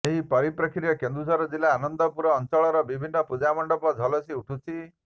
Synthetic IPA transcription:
eɦipɔɾipɾɔkʰɾjɔkend̪ɾusɔɾɔd͡ʒilaːnɔnd̪ɔpuɾɔːnt͡ʃɔɭɔɾɔbibʱinːɔpud͡ʒamɔɳɖɔpɔd͡ʒʱɔlɔsiuʈʰut͡ʃʰi

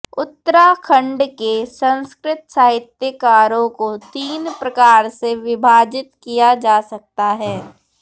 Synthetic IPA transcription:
ʊt̪ːəɾakʰə̃ɳɖkesə̃nskɾɪt̪saːɦɪt̪jəkaːɾõkot̪iːnpɾɐkaːɾseʋɪbʱaːd͡ʒɪt̪kijad͡ʒaːsɐk̚t̪aɦɛː

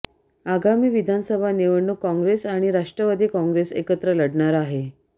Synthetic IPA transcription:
aɡamiːʋid̪ʱansəbʱaneʋəɳːukɔ̃ŋɡɾesaɽ̃iɾaʂʈɾəʋad̪ʱikɔ̃ŋɡɾesḛkət̪ɾələɽɳaɾaɦe

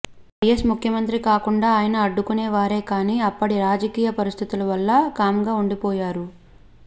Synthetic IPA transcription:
ʋɐjesmukʰjɐmɐnt̪ɾikaːkuɳɖaːjɐnɐːɖːukuneːʋaːɾe̞ːkaːniːɐpːɐɽiɾaːd͡ʒɐkiːjɐpɐɾist̪ʰit̪ulɐʋɐlːɐkaːmɡaːuɳɖipɔːjaːɾu

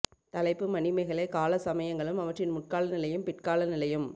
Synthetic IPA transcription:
t̪ɐlɐɪpːɯmɐnɪmɐɪɣɐɭɐɪkaːlɐsɐmɐjɐŋɡɐɭɯmɐʋɐʈrɪnmʊʈ̚kaːlɐnɪlɐjɯmpɪʈ̚kaːlɐnɪlɐjɯm

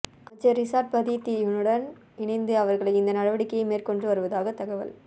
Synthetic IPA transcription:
ɐt͡ʃːɐɾɪsaːɾʈ̚pɐðit̪ːinɯɽɐn | ɪɳɐɪnd̪ɯɐʋɐɾɣɐɭɐɪɪnd̪ɐnɐɽɐʋɐɽɪkːɐjɐmeːrkɔɳdrɯʋɐɾɯʋɐðaːɣɐt̪ːɐɣɐʋɐ̰l

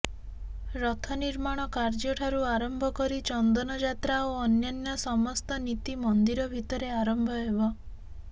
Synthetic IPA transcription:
ɾɔt̪ʰɔniɾmaɽ̃ɔkaɾd͡ʒɔʈʰaɾuaɾɔmbʱɔkɔɾit͡ʃɔnd̪ɔnɔd͡ʒat̪ɾaoɔnjɔnjɔsɔmɔst̪ɔnit̪imɔnd̪iɾɔbʱit̪ɔɾeaɾɔmbʱɔɦebɔ

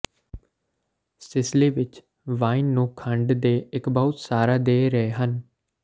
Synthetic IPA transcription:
sɪsleːʋɪt͡ʃ | ʋaːinːũːkʰəɳɖd̪eːɪkbəʊt̪saːɾaːd̪eːɾəeːɦən

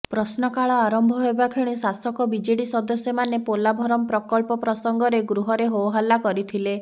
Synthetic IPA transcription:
pɾɔsnɔkaɭɔaɾɔmbʱɔɦobakʰiɽ̃isasɔkɔbid͡ʒeɽisɔd̪ɔsjɔmanepolabʱɔɾɔmɔpɾɔkɔlpɔpɾɔsɔŋɡɔɾeɡɾuɦɔɾeɦowɦalːakɔɾit̪ʰile

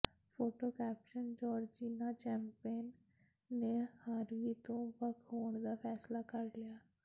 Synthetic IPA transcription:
pʰoːʈoːkɛːpʃənd͡ʒɔːɾd͡ʒiːnaːt͡ʃɛːmpeːnː | eːhaːɾʋiːt̪õːʋəkʰɦoːɳd̪aːpʰɛːslaːkəɾlɪjaː

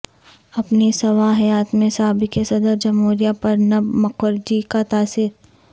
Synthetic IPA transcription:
ɐpnesɐʋaɦjaːt̪mẽsaːbikesɐd̪əɾd͡ʒɐmɦoːɾijapɐɾnɐbmɐkwəɾd͡ʒikat̪aːsɪɾ

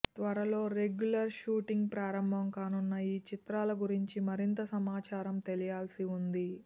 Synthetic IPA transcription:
t̪ʋɐɾɐlo̞ːɾe̞ɡjulɐɾʃuːʈiŋɡ̚pɾaːɾɐmbʱɐmkaːnunːɐiːt͡ʃit̪ɾaːlɐɡuɾiɲt͡ʃimɐɾint̪ɐsɐmaːt͡ʃaːɾɐmt̪e̞lijaːlsiund̪i

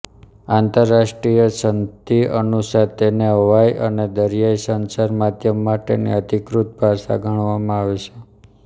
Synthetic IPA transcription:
ãnt̪əɾːaʃʈɾijəsənt̪iə̰nusat̪eneɦəʋajʔəned̪əɾijaisənsaɾmad̪jəmːaʈḛnḭəd̪ʱikɾut̪̚bʱaʃa̰ɡʱəɳ̃ʋamãaʋet͡ʃʰe

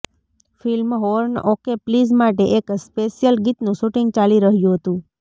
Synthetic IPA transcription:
filmɦoɾnokeplizmaʈeʔekspeʃijəlɡit̪nũʃuʈiŋɡ̚t͡ʃaliɾəɦjũɦət̪ũ

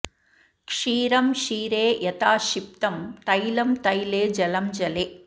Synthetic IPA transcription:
kʂiːɾɐmʃiːɾeːjɐt̪aːʃip̚t̪ɐmt̪ɐjlɐmt̪ɐjleːd͡ʒɐlɐmd͡ʒɐleː

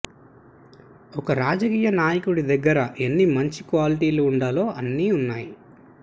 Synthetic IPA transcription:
ɔkɐɾaːd͡ʒɐkiːjɐnaːjɐkuɽid̪ɐɡːɐɾɐʔenːimɐɲt͡ʃikʋaːliʈiːluːɳɖaːlo̞ːʔɐnːiːunːaːji

